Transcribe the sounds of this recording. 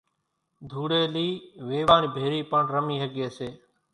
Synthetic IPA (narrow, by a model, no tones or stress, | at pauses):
d̪ʱuːɽeːliːʋeːʋãːniːbʱeːɾiːpəɳɾəmiːɦəɠeːseː